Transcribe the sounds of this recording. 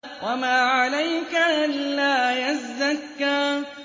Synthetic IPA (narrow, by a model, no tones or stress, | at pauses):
wʔamaːʕalajkaʔanlaːjazːakːaː